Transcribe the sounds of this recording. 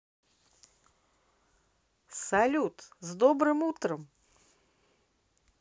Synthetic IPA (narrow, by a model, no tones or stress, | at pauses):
salʲut̪zd̪ɔbɾɨmut̪ɾɐm